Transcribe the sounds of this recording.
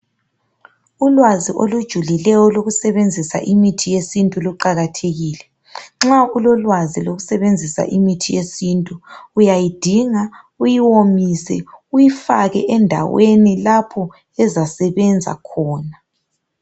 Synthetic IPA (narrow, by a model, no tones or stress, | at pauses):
ulwaziʔolud̥ʒ̥ʱulilɛjɔloɣusɛβend͡zʱisa̰ʔimitʰijesintʼuluǃaɣatʰeɣiːlɛ | ŋ͡ǁaulɔlwaziloɣusɛβend͡zʱisa̰ʔimitʰijesintʼuːjajid̥ʱiŋa | ujiwomisɛujifa̰ɣɛ̰ʔɛndʱa̰wenilapʰɔ | ɛzasɛβɛnd͡zʱa̰kʰɔːna